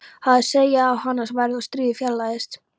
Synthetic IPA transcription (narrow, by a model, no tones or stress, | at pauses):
haðɪseːjaːwhanːasvajɾðɔst̪ɾiːðfjɛlːajɪst̪